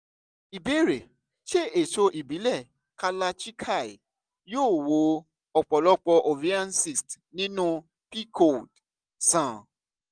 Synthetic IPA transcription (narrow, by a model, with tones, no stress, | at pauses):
i˨be˦ɾe˨ | ʃe˦e˨ʃo˧ʔi˨bi˨˦lɛ˦˨ | ka˧la˧t͡ʃi˦kʰa˦˨i˨ | joː˦˨wo˨˦ | ɔ˨k͡pɔ˨lɔ˦k͡pɔ˧ʔo˨vi˦ã˦nsi˦˨st | nĩ˦nũ˦ | pi˦kʰo˨d | sã˨